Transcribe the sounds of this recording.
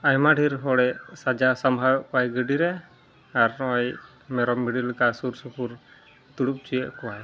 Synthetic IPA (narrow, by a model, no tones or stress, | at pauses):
ajmaɖʱiɾɦɔɽɛʔsad͡ʒasambʱawɛʔkajɡəɖiɾɛ | aɾɔj | mɛɾɔmːiɖilkasuɾsupʰuɾ | d̪uɽup̚t͡ʃijɛʔkɔwaj